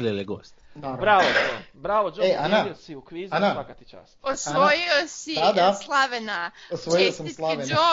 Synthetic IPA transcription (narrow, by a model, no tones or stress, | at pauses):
lelˠeɡo̰ːst̪naɾbɾaʋod͡ʒobɾaʋod͡ʒoeʔanaiosiukʋizanaakat̪it͡ʃa̰ːsosaʋojiosid̪ad̪aslˠaʋenaosʋojiosamlˠaʋeno